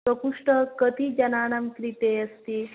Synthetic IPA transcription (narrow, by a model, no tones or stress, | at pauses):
əkuʂʈəkət̪id͡ʒɐnaːnɐmkɾit̪eəst̪i